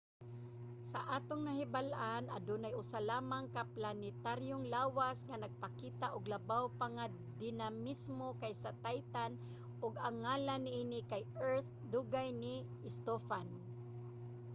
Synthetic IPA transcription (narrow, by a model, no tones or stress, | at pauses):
saʔaːt̪oŋnɐɦɪbalʔanʔa̰d̪unajʔʊsalaːmaŋkaplanɪt̪aɾjoŋlaːwasŋanaɡ̚pakiːt̪aʔʊɡlabawpaŋa | d̪ɪnamɪsmokajsat̪ajt̪an | ʔʊɡaŋːaːlanːɪʔiːnɪkajɛɹθ | d̪uɡajnɪ | ɪst̪ofan